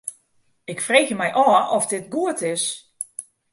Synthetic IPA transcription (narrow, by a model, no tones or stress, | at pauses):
ɪkfreːɣjəmɛjʔɔːɔfdɪt̚ɡuətɪs